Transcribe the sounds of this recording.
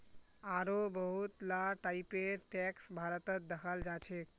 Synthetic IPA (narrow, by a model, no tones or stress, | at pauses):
aɾobəɦut̪laʈaipeʈɛksbʱaɾət̪ət̪̚d̪əkʰald͡ʒat͡ʃʰek